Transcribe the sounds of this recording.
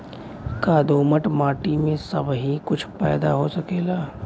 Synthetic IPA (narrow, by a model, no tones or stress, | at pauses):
kaːd̪oːməʈmaːʈimẽsɐbɦikʊt͡ʃʰpɛːd̪aɦosɐkeːɡaː